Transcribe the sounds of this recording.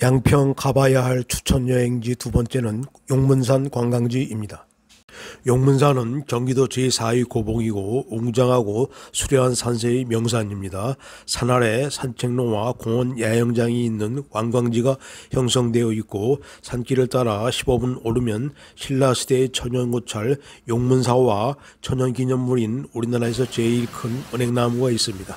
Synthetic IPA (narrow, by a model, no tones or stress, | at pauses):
jaŋpʰjʌŋkabajaɦaɭt͡ɕʰu̥t͡ɕʰʌnjʌɦe̞ŋd͡ʑitubʌnt͡ɕ͈e̞nɯn | joŋmuns̬ʰankwaŋɡaŋd͡ʑiimɲida | joŋmunsʰanɯnkjʌŋɡidot͡ɕisʰaikoboŋiɡouŋd͡ʑaŋɦaɡosʰuɾjʌɦansʰansʰeimjʌŋs̬ʰaɲimɲida | sʰanaɾe̞sʰant͡ɕʰe̞ŋnowakoŋʌnjajʌŋd͡ʑaŋiːnːɯnkwaŋɡwaŋd͡ʑiɡaçjʌŋsʰʌŋdwe̞jʌik͈̚osʰank͈iɾɯɭt͈aɾaɕʰibobunoɾɯmjʌnɕʰiɭːasʰi̥de̞t͡ɕʰʌɲʌnɡot͡ɕʰaɭjoŋmuns̬ʰawa | t͡ɕʰʌɲʌnɡiɲʌnːuɾinuɾinaɾae̞s̬ʰʌt͡ɕeiɭkʰɯnɯne̞ŋnamuɡais͈ɯmɲida